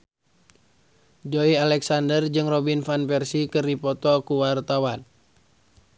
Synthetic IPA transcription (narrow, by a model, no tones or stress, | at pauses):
d͡ʒoialɛksandərd͡ʒɨŋrɔbinfanpɛrsikɨrdipɔt̪ɔkuwart̪awan